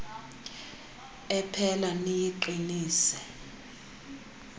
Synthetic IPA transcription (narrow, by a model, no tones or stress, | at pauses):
ɛpʰɛlanijiǃiniːsɛ